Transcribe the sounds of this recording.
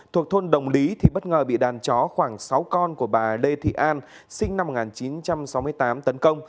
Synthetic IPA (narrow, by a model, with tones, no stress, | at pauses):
t̪ʰu˨˩ək̚t̪ʰo˧nɗə˨˩wŋ͡mli˨˦t̪ʰi˨˩ɓə˦˥t̚ŋəː˨˩ɓḭ˧˨ɗaː˨˩nt͡ɕɔ˨˦xwaː˧˩ŋsa˨˦wkɔ˧nku˧˩əɓaː˨˩le˧t̪ʰḭ˧˨ʔaː˧n | sï˧ŋna˧m̚ː˨˩ŋaː˨˩nt͡ɕi˨˦nt͡ɕa˧msa˨˦wmɨ˧əjt̪aː˨˦mt̪ə˨˦nkə˧wŋ͡m